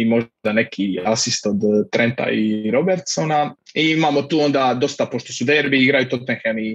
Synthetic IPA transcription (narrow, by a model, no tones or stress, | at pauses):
imo̞ʒd̪anekʰiasist̪o̞d̪t̪ɾent̪a̰iɾo̞beɾt̪sonaiimaːmot̪uːo̞nd̪aːd̪o̞st̪apo̞ʃt̪o̞sud̪eɾbiiɡɾajut̪o̞t̪eŋxeni